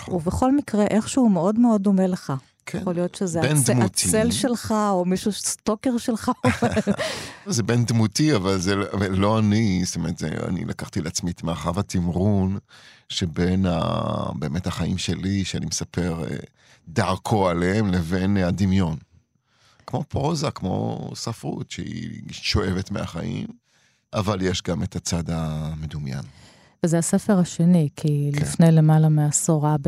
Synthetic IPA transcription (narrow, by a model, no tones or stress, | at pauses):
uveχo̞lmikʁeʔeχʃeumeo̞dmeod̪omeleχa | jeχolijo̞tʃezeend̪mut̪ielʃelχaomiʃuʃst̪okeʁʃelχaome | ozebend̪mutiavalzeavalːo̞anist̪omeʁət̪zḛa̰nḭlʔa̰kaχt̪ileat͡smit̪meaχavhat̪imʁunʃebe̞na̰be̞ːmethaχaḭmʃeliʃeanimesape̞ʁḛ | daʁkʰo̞aleemleve̞nhadimjo̞n | kmo̞pʁozakmo̞̰safʁṵtʃḛḭʃo̞ʔe̞vet̪mea̰χa̰ʔḭm | ʔavaljeʃɡamet̪at͡sad̪amed̪umja̰n | vezeasefeʁaʃenikʰilifne̞jlemalameasoʁab